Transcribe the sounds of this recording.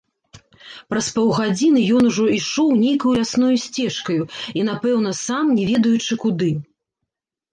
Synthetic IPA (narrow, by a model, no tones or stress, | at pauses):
pɾɐspɔwɣad͡zʲinɨjɔn̪uʐɔiʂɔwnʲejkɐjujasnɔjusʲt͡sʲɛʂkɐjuin̪apɛwn̪ɐsamnʲɛvʲɛd̪ɐjut͡ʂɨkud̪ɨ